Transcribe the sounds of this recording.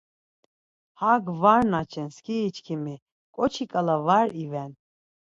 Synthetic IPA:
haɡvaɾnat͡ʃʰɛnskʰiːt͡ʃkʰimi | kʼɔt͡ʃʰikʼalavaɾivɛn

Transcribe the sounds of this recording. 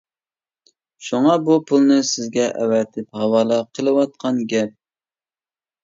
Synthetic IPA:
ʃuŋɑbupʰulˠnɨsɪzɡʲɛʔɛ̰wɛt̪ʰɪphɑwɑːlˠɑqʰəlˠɨwɑt̪̚qʰɑnɡʲɛp̚

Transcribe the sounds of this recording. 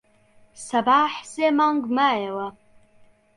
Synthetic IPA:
sabaːħzemaŋɡmajawa

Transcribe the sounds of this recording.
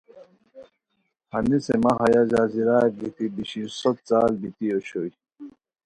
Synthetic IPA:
hɐnisemaɦɐjazaːziɾaːbit̪ibiɕisot̪̚t͡saːlbit̪ioɕoi

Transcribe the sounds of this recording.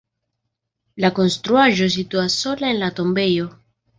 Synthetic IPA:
lako̞nst̪ɾuaʒo̞s̬it̪uasːo̞laenlat̪o̞mbe̞jo̞

